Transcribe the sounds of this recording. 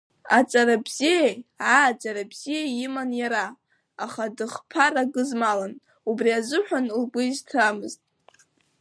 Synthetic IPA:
at͡sʼaɾabz̥ijejʕad͡ʒaɾabz̥ijeimanjaɾa | aχadɨχpʰaraɡɨzmalan | ubriazɨħʷᶣanlɡʊiztʰamɨztʼ

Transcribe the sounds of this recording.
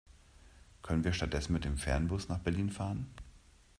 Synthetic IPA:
kʰœnənviːɐʃtat̚d̥ɛsn̩mɪt̚d̥eːmfɛɐnbʊsnaːχb̥ɛɐliːnfaːʁən

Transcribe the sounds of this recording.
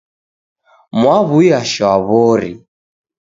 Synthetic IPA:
mwaβuiaʃɔaβɔɾḭ

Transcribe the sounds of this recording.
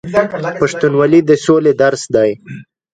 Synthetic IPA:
paʂt̪unwalid̪əsoled̪aɾsd̪ɑj

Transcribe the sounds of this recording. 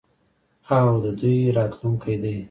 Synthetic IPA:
awd̪əd̪ujɾɑt̪luŋkʰajd̪aj

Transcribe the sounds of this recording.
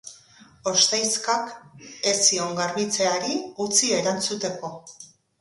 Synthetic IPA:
o̞st̪ajskake̞sio̞ŋɡaɾβit͡se̞aɾiut͡sieɾant͡sut̪e̞ko̞

